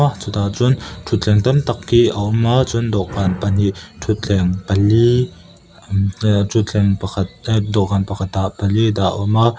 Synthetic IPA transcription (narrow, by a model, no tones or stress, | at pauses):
at͡sut̪aʔt͡sʊnt̪ʰut̪̚ɛŋt̪ɐmt̪ɐkːiʔəʔʊmat͡sʊndɔʔkanpɐn̥iʔtʰut̪̚ɛŋpɐli | tʰut̪̚t͡ɬɛŋpɐɐt̪̚dɔʔkanpɐkʰat̪̚d̪aʔpɐlid̪aʔʔuma